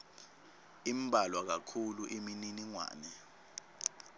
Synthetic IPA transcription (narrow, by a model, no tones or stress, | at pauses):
im̩bʱalwak̬akʰuluʔemininiŋwa̰ːnɛ